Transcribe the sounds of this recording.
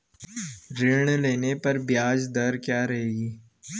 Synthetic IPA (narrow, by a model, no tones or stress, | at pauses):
ɾɪɽleːnepɐɾbjaːd͡ʒd̪ɐɾkjaːɾɐɦeːɡiː